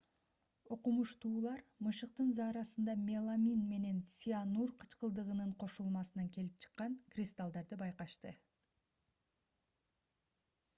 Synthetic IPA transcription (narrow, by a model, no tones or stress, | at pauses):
o̞qumuʃt̪uːlˠɑɾmɯʃɯq̚t̪ɯnzɑːɾɑsɯnd̪ɑmʲelˠamʲinme̞ne̞nsʲianurqʰɯ̥t͡ʃqɯlˠd̪ɯʁɯnɯɴqʰo̞ʃulˠmɑsɯnɑŋke̞lip̚t͡ʃʰɯ̥qːɑŋkrʲist̪alˠd̪ɑɾd̪ɯbɑjqɑʃt̪ɯ